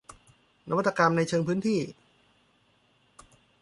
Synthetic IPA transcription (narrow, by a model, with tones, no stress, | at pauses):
na˦˧wa˥t̪ːa˧ka˧mna˧jt͡ɕʰɤː˧ŋpʰɯː˦˥nt̪ʰiː˥˩